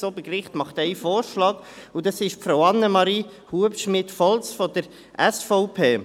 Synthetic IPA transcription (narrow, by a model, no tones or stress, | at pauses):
sɔbəkrɪχt̪mɑχt̪æɪfoːɾʃlɑːɡ̥ | ʊdɑsɪʃfɾaʊɑnːəmɑɾiː | huəpʃmɪtfɔlsfɔdəɾ | ʔɛsfoʊpʰeː